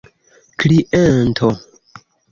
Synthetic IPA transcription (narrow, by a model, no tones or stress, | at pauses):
kliʔentʰo